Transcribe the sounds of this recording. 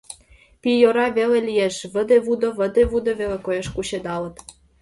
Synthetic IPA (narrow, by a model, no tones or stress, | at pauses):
pijoɾɑβelelijeʃβə̆d̪eβud̪ŏβə̆d̪eβud̪oβelekojeʃkuɕed̪ɑlə̆t̪